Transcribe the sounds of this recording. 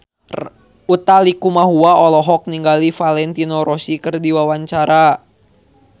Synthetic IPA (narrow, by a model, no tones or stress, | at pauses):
ut̪alikumaɦuaɔlɔɦɔk̚niŋɡalifalɛnt̪inɔɾɔsikɨrdiwawaɲt͡ʃaɾa